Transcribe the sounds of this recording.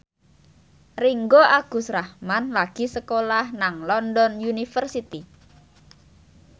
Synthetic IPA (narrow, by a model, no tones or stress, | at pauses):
riŋɡoʔaɡ̥ṳsrahmanlaɡ̥i̤səkolahnaŋlɔndɔnjunifərsit̪i